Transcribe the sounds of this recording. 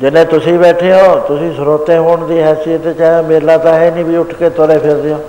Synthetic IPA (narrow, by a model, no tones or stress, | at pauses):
d͡ʒɪnẽːt̪ʊsĩːbɛːʈʰeːjõːt̪ʊsĩːsʊɾoːt̪ẽːɦoːɳd̪iːɦɛːsiːət̪et͡ʃãːmeːlãːt̪ãːɦɛːnĩːbʱiːʊʈʰkeːt̪oɾeːpʰɪɾd̪ɪjõː